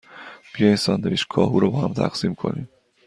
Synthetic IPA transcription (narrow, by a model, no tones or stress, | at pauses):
b̥ijɒjinsɒnd̪eviːʃkʰɒːɦuːɾɒbɒːhæmt̪ʰæ̰ɣsimkʰo̞̰nḭːm